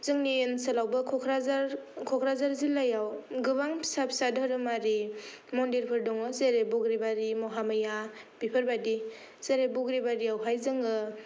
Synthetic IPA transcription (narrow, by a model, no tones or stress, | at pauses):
zɯŋniensɯlawbɯkʰɔkʰɾazaɾkʰɔkʰɾazaɾzilajawɡɯbaŋpʰsapʰsadəɾɯmaɾi | mɔndiɾpʰɯɾdɔŋɯzeɾebɔɡɾibaɾimɔɦamɯjab̥ipʰɯɾbadi | z̥eɾebɔɡɾibaɾiawɦajzɯŋɯ